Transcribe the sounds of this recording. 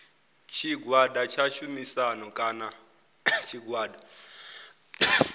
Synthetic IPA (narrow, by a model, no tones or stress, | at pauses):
t͡ʃʰiɡwadat͡ʃʰaʃumisanɔkʼana | t͡ʃʰiɡwaːda